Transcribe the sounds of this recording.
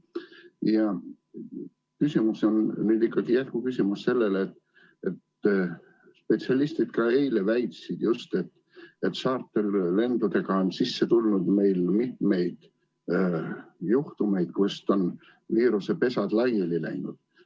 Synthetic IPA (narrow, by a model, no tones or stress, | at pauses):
jɑ | kysʲimuso̞nnyːd̪ikːɑɡ̥ijæt̪̚kukysimusse̞lːe̞lːt̪ | e̞t̪ | spe̞t̪siɑlist̪id̪̥kɑe̞jle̞væjt̪sid̪̥just̪et̪ː | et̪sɑːrt̪ːˑe̞lle̞nd̪̥ud̪e̞ɡ̥ɑonsisːet̪ulnud̪me̞jlmit̪̚me̞jd̪̥ | juht̪ume̞jd̪̥kust̪o̞n | viːɾuse̞pe̞sɑd̪̥lɑjelilæ̰jnṵd̪̥